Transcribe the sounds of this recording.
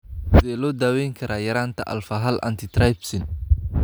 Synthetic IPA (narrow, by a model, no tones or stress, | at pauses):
sdɛːlɔːd̪aːwɛjŋkʰɐɾʔaːjɐɾaːnt̪ʰɐʔɐ̰lfɐɦɐlʔɐ̰nt̪ʰɪt̪ʰɾajbsɪn